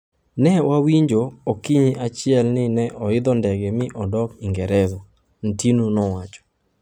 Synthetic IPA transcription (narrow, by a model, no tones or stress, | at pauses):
nɛwawiɲd͡ʒookiɲiʔat͡ʃɪɛlnɪnɛʔɔɪd̪ɔndɛɡɛmɪʔɔdɔkiŋɡɛɾɛzɔ | n̩tinunɔwat͡ʃɔ̥